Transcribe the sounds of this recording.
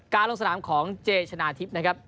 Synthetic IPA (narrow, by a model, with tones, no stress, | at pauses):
kaː˧nlo˧ŋsa˧naː˩˦mkʰɔː˩˦ŋt͡ɕeː˧t͡ɕʰa˧naː˧t̪ʰi˦˥p̚na˦˥kʰa˦˥p̚